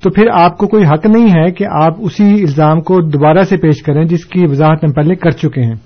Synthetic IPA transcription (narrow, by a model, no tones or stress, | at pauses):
t̪oːpʰɪɾaːp̚kokoːiɦɐknɐɦĩɦɛkeʔaːpʊsiɪlzaːmkod̪obaːɾasepeːʃkɐɾẽd͡ʒɪskiʋɐzaːɦət̪ẽpɛːlẽkɐɾt͡ʃʊkeɦɛ̃ː